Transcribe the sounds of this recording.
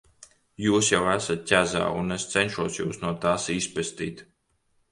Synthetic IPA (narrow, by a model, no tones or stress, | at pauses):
juːsjawæsat̪̚cʲæza̰ːunest̪sɛnʃuɔsjṵːsnuɔt̪aːsispʲɛst̪ḭːt̪